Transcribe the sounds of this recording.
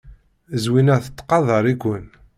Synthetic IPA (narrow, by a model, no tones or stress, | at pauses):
zwinæθət̪ˤːqɑðˤəɾˤikʷən